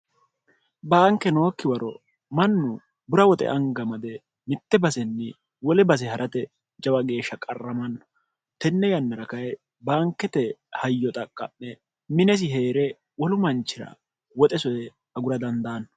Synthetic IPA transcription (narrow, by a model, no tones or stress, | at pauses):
baːŋkːɛno̞ːkːɪwɐɾɔ | mɐnːʊ | bʊɾɐwɔt̪ʼɛ̰ʔɐŋɡɐmɐd̪ɛ | mɪt̪ːɛbɐsɛnːɪ | wɔlɛbɐs̬ɛhɐɾʔɐt̪ɛ | d͡ʒɐwɐɡe̞ːʃːɐkʼɐrːɐmɐnːɔ̥ | t̪ɛnːɛjɐnːɐɾɐkɐjɛ | baːŋkːɛt̪ɛhɐjːɔt̪ʼɐkʼːɐ̰mːɛ | mɪnɛs̬ɪɦe̞ːɾɛ | wɔlʊmɐnt͡ʃːɪɾɐ̰ | wɔt̪ʼɛsɔjɛ | ɐɡʊɾɐd̪ɐnd̪aːnːɔ̥